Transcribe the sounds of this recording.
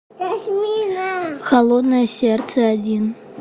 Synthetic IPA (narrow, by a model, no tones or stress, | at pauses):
aʃmʲinaxalˠɔd̪nɐjɐsʲɛrt̪sɛad͡zʲin